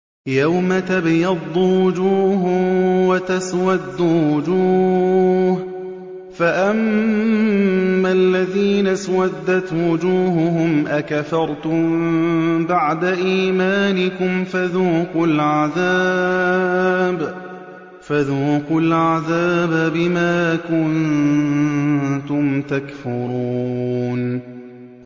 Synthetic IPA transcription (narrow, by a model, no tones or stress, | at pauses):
jawmat̪abjɑd̪ˤːʊwwʊd͡ʒuːɦʊwat̪aswad̪ːʊwʊd͡ʒuː | h | faʔam | alːaðiːnaswad̪ːat̪wʊd͡ʒuːɦʊɦʊmʔakafɑɾˤt̪ʊmbaʕd̪aʔiːmaːnɪkʊmfaðuːqʊlʕaðaː | b | faðuːqʊlʕaðaːbbɪmaːkʊn | t̪ʊmt̪akfʊɾuːn